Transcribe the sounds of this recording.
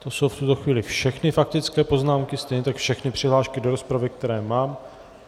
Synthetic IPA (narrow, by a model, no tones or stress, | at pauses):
t̪o̞so̞wft̪ut̪o̞xviːlɪfʃɛxnɪfak̚t̪ɪt͡skɛːpo̞znaːmkɪst̪ɛjɲɛt̪akfʃɛxnɪpr̥ɪɦlaːʃkɪdo̞ɾo̞spɾavɪk̚t̪ɛɾɛːmaːm